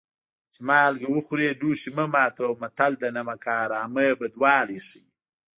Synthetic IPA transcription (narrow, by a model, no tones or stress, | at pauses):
t͡ʃimaːlɡɐwuxuɾeːduːʃimɐmaːt̪omɐt̪ald̪ɐnɐmɐkaːɾaːməbɐd̪waːliʂi